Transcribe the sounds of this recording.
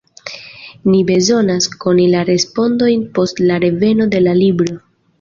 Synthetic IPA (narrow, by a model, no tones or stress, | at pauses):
nibe̞zo̞nasko̞nilaɾe̞spo̞ndo̞jnpo̞stlaɾe̞ve̞no̞de̞lalibɾo̞